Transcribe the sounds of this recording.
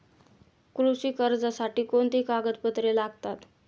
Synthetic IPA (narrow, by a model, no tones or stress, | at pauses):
kɾusiːkəɾd͡zasaʈiːkoɳt̪ikaɡət̪pət̪ɾelaɡt̪at̪